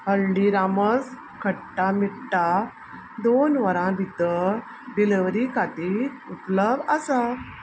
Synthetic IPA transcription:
ɦəlɖiɾaməs | kʰəʈʈːamiɽʈa | d̪onʋəɾãbʱid̪ə | ɖileʋɾikat̪i | utləbəsa

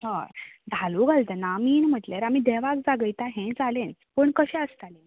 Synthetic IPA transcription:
hə̃d̪ʱaluɡalt̪ənamiːnm̤əʈleɾamiːd̪ɛʋakd͡zaɡəjt̪aɦɛ̃d͡zalẽnpəɳkəɕɛ̃əst̪alẽ

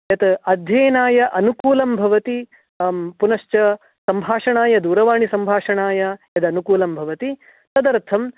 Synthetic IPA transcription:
jɐt̪ɐd̪ʱjɐːnaːjɐʔɐnukuːlɐmbʱɐʋɐt̪i | punɐʃt͡ʃɐ | sɐmbʱaːʂɐɳaːjɐd̪uːɾɐʋaːɳisɐmbʱaːʂɐɳaːjɐjɐd̪ɐnukuːlɐmbʱɐʋɐt̪i | t̪ɐd̪ɐɾt̪ʰɐm

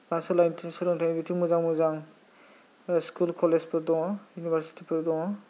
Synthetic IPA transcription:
basɔlajntʰsɔlɔŋtʰajnbitʰiŋmuzaŋmuzaŋ | skulkʰɔlezpʰɯɾdɔŋɔjunibaɾsi̥tʰipʰɯɾdɔŋɔ

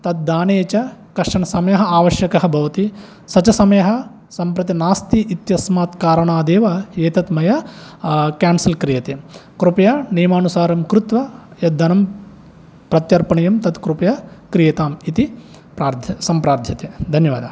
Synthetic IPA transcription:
t̪ɐt̪̚d̪aːneːt͡ʃɐkɐɾʂɐɳɐsɐmɐjɐɦɐaːʋɐʃjɐkɐɦɐ̆bʱɐʋɐt̪i | sɐt͡ʃɐsɐmɐjɐɦɐ̆ | sɐmpɾɐt̪inaːst̪iʔit̪jɐsmaːt̪kaːɾɐɳaːd̪eːʋɐeːt̪ɐt̪mɐjɐ | kaːnsilkɾijɐt̪ekɾupɐjaːneːmaːnusaːɾɐmkɾut̪ʋɐjɐd̪ʱːɐnɐm | pɾɐt̪jɐɾpɐɳɐjɐmt̪ɐt̪kɾupɐjɐkɾijɐt̪aːmit̪i | pɾaːɾd̪ʱjɐsɐmpɾaːɾd̪ʱjɐt̪eːd̪ʱɐnjɐʋa̰ːd̪ɐ̰

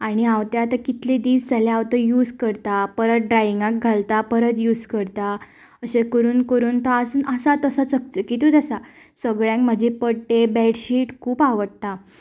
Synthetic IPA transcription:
aɽ̃iawt̪ãat̪akit̪led̪iːsd͡zaleaʋt̪əjuːd͡zkəɾt̪apəɾət̪̚ɖɾajiŋɡãk̚ɡʱalt̪apəɾət̪juːd͡zkəɾt̪a | əɕekəɾuːnkəɾuːnt̪ɔasunəsat̪əsat͡sək̚təkit̪ud̪əsa | səɡɭjãŋkm̤əd͡ʑepəɽʈebɛɽɕiːʈkʰuːpaʋəʈt̪a

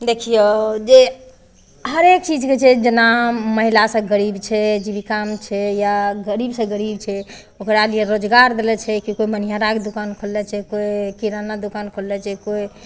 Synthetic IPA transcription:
d̪ekʰijod͡ʒe | ɦəɾek̚t͡ʃid͡ʒket͡ʃʰɛd͡ʒənaməɦilasə̃ɡəɾibt͡ʃʰɛd͡ʒibikamt͡ʃʰɛjaɡəɾibsə̃ɡəɾib̚t͡ʃʰɛ | okɾalijeɾod͡ʒɡaɾd̪elɛt͡ʃʰɛkikoimənijaɾaked̪ukankʰolːɛt͡ʃʰɛkoikiɾanad̪ukankʰolːɛt͡ʃʰɛkoi

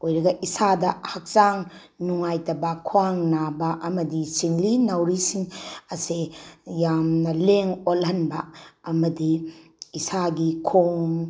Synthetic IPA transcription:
ojɾɐɡɐʔisadɐhɐk̚t͡ʃaŋ | nuŋajtɐbakʰuaŋnabɐʔɐmɐdit͡ʃiŋlinawɾisiŋɐsejamnɐleŋolɦɐnbɐːmɐdiː | saɡikʰoŋ

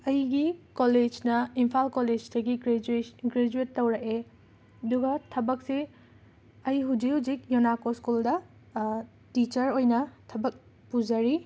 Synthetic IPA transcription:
ɐjɡikoled͡ʒnɐimpʰalkoled͡ʒdɐɡiɡɾed͡ʒɡɾed͡ʒuetːɐwɾɐke | ɐduɡɐtʰɐbɐk̚si | ɐjɦud͡ʒikhud͡ʒik̚jonakoskuldɐ | tit͡ʃɐɾojnɐtʰɐbɐk̚ | pud͡ʒɐɾi

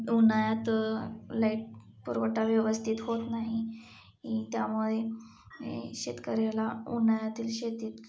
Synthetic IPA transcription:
unajat̪ | laiʈ̚ | puɾʋəʈaʋjəʋəst̪ʰit̪ɦot̪naɦi | it̪jamuɭe | ḛɕet̪kəɾalaunajat̪iːlɕet̪iːt̪

